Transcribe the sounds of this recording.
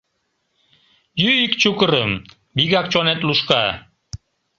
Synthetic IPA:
jyikt͡ɕukəɾəm | biɡak̚t͡ɕonɛt̪luʃka

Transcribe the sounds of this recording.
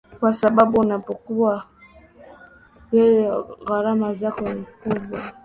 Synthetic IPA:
kwasababunapokuwa | jejeɣaɾamazakɔnikubwa

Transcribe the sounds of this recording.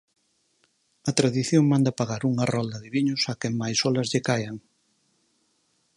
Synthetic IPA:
ɐt̪ɾaðiθjoŋmãnd̪ɐpaɣaɾuŋɐrɔld̪ɐðɪβiɲʊsakɛŋmajsɔlɐzʎɪkajɐŋ

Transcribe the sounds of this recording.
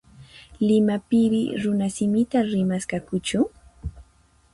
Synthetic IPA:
lɪmapɪɾɪ̰ɾʊnasɪmɪt̪aɾɪmaskakʊt͡ʃʊ

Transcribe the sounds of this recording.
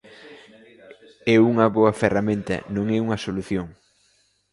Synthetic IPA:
ɛuŋɐβoɐferamẽnt̪ɐ̰nõŋɛuŋɐsoluθjoŋ

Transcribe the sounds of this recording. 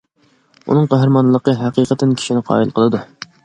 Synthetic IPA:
ṵnɨŋqæɦɾɨmɑnlˠəqəɦæqiqət̪ːɪnkʲʰi̥ʃinɪqʰɑ̰ːilˠqʰəlˠɨd̪u

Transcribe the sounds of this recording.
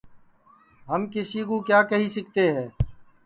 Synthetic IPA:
ɦəmkɪsiːkũːkjaːkəɦiːsɪk̚t̪eːɦɛ̃ː

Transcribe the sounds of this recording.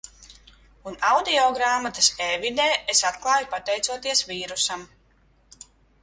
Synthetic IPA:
unawd̪iɔɡɾaːmat̪ɐseːvid̪eːesat̪klˠɑːjupat̪ɛjt̪suɔt̪iɛsviːɾusam

